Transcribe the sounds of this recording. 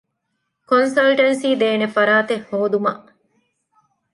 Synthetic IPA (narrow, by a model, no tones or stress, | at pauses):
konsɐlʈɐnsiːd̪eːnefɐɾaːt̪ehhoːd̪umɐʔ